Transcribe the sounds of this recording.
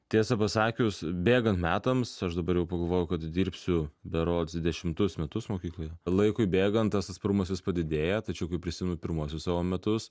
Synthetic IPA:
t̪ʲiɛsɐpɐsɑːkʲʊsbʲeːɡɐnt̪mʲæːt̪ɐmsɐʃd̪ɐbɐɾjɛʊpɐɡɐlˠʋoːjʊkɐt̪d̪ʲiːɾʲpʲsʲʊbʲɛɾoːtsʲɪd̪ʲɛʃʲɪmt̪ʊsmʲɛt̪ʊsmoːkʲiːklˠoːjɛlˠɐɪkʊɪbʲeːɡɐnt̪t̪ːɐsɐt̪spɾʊmɐsʋɪspɐd̪ʲɪd̪ʲeːjɛt̪ɐt͡ʃʲɛʊkɐɪpʲɾʲɪsʲɪmʲɪnʊpʲɪɾmuɔsʲʊssɑːʋoːmʲɛt̪ʊs

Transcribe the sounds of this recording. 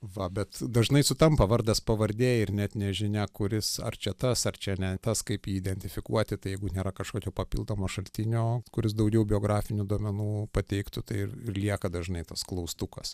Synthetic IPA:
ʋɐbʲɛt̪d̪ɐʒnɐɪsʊt̪ɐmpɐʋɐɾd̪ɐspɐʋɐɾʲd̪ʲeːjɛɪrnʲɛt̪nʲɛʒʲɪnʲɛkʊɾʲɪsɐ̰rt͡ʃʲɛt̪ɐsɐrt͡ʃʲɛnʲɛt̪ɐskɐɪpjiːɪd̪ʲɛnʲt̪ʲɪfʲɪkṵɔt̪ʲɪt̪ɐɪjɛɪɡʊnʲeːɾɐkɐʃkoːkʲoːpɐpʲḭlˠd̪oːmoːʃɐlʲt̪ʲɪnʲoːkʊɾʲɪs̬d̪ɐʊɡʲɛʊbʲɪoːɡɾɑːfʲɪnʲʊd̪uɔmʲɛnuːpɐt̪ʲɛɪkt̪ʊt̪ɐɪɪrɪrlʲiɛkɐd̪ɐʒnɐɪt̪ɐsklˠɐʊst̪ukɐs

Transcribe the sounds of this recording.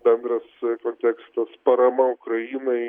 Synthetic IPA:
bʲɛnd̪ɾɐskoːnʲt̪ʲɛkst̪ɐspɐɾɐmɐʊkɾɐjiːnɐɪ

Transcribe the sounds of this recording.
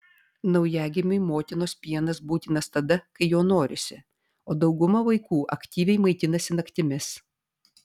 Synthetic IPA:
nɒʊjæːɡʲɪmʲʊɪmoːt̪ʲɪnoːspʲiɛnɐsbuːt̪ʲɪnɐst̪ɐd̪ɐkɐɪjoːnoːɾʲɪsʲɪ | oːd̪ɒʊɡʊmɐʋɐɪkuːʔɐkʲt̪ʲiːʋʲɛɪmɐɪt̪ʲɪnɐsʲɪnɐkʲt̪ʲɪmʲɪs

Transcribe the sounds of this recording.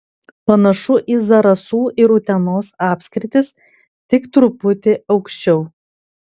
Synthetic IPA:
pɐnɐʃʊʔiːzɐɾɐsuːʔɪɾʊt̪ʲɛnoːsɑːpʲsʲkɾʲɪt̪ʲɪs | t̪ʲɪkt̪ɾʊpʊt̪ʲɪɐʊkʃʲt͡ʃʲɛʊ

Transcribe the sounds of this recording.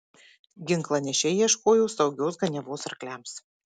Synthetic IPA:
ɡʲɪŋklˠɐnʲɛʃʲɛiɛʃkoːjoʊsɒʊɡʲoːsɡɐnʲɛʋoːsɐɾklʲæms

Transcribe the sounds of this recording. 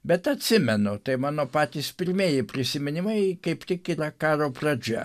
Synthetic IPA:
bʲɛt̪ɐt̪ʲsʲɪmʲɛnʊt̪ɐɪmɑːnoːpɑːt̪ʲiːspʲɪɾʲmʲeːjɪpʲɾʲɪsʲɪmʲɪnʲɪmɐɪkɐɪpt̪ʲɪkɪtɑkɑːɾoːprɐd͡ʒʲɛ

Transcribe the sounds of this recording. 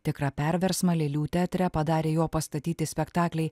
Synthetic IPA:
t̪ʲɪkɾɑpʲɛɾʲʋʲɛɾsmɐlʲeːlʲuːt̪ʲæːt̪ʲɾʲɛpɐd̪ɑːɾʲeːjoːpɐst̪ɐt̪ʲiːt̪ʲɪsʲpʲɛkt̪ɑːklʲɛɪ

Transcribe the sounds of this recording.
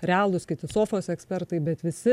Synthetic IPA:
ɾʲɛaːlˠʊskʲɪt̪ʲɪsoːfoːsɛksʲpʲɛrt̪ɐɪbʲɛt̪ʋʲɪsʲɪ

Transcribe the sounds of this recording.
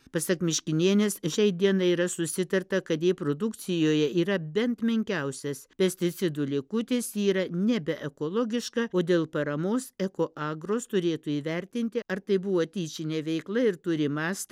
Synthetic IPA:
pɐsɐkmʲɪʃʲkʲɪnʲeɛnʲeːsʃʲɛɪd̪ʲiɛnɐiːɾɐsʊsʲɪt̪ɐɾt̪ɐkɐt̪jiːpɾod̪ʊkt̪sʲɪjoːjɛiːɾɐbʲɛnt̪mʲɪŋʲkʲɛʊsʲɛspʲɛsʲt̪ʲɪt̪sʲɪd̪ʊlʲɪkʊt̪ʲɪsiːɾɐnʲɛbʲɛʔɛkoːlˠoːɡʲɪʃkɐoːd̪ʲeːlˠpɐɾɐmoːsɛkoːʔɑːɡɾoːst̪ʊɾʲeːt̪uiːʋʲɛɾʲt̪ʲɪnʲt̪ʲɪʔɐɾt̪ɐɪbʊʋoːt̪ʲiːt͡ʃʲɪnʲeːʋʲɛɪklˠɐɪɾt̪ʊɾʲɪmɑːst̪ɐ

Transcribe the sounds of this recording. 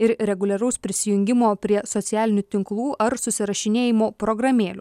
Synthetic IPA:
ɪɾɾʲɛɡʊlʲɛɾɐʊspʲɾʲɪsʲɪjʊŋʲɡʲɪmoːpʲɾʲiɛsɔt̪sʲæːlʲɪnʲut̪ʲɪŋklˠuːʔɐɾsʊsʲɪɾɐʃʲɪnʲeːjɪmoːpɾɔɡɾɐmʲeːlʲʊ

